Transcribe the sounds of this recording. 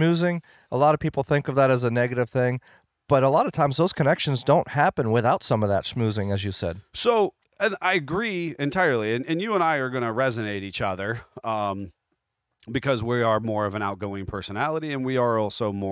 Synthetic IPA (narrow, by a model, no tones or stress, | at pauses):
mʉzɪ̃ŋ | əlɑɾʌv̥pʰipl̩ˠθɪ̃ŋkʌvðæɾɨzənɛɡɨɾɨv̥θɪ̃ŋ | b̥ʌɾəlɑɾʌv̥tʰãɪ̃mzðoʊz̥kʰɨnɛkʃɨ̃n̩zdõʊ̃nt̚hæpɨ̃nwɪθaʊtsʌ̃mʌvðə̰tsmʉzɪ̃ŋɨzjɨsɛ̰d̥̚soʊ | ɨ̃naɪɨɡɹiɨ̃ntʰaɪə˞lˠiɨ̃nɨ̃njɨə̃naɪə˞ɡʌnɨɹɛzɨneɪɾit͡ʃʌðə˞ | bɨkʰʌzwiə˞mɔɹʌvɨ̃ñaʊt̚ɡ̥oʊɪ̃ŋpʰɜ˞sənælˠəɾiɨ̃nwiə˞ɔlˠsoʊmɔ